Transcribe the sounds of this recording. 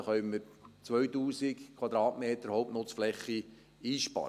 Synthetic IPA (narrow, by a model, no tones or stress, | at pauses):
χœʏməɾ | t͡sʋœɥtuːsɪkkʰwɑd̪ɾɑːtmeːt̪əɾhɔʊpnoːt͡sflɛχːi | iːʃpɑ̰ɾ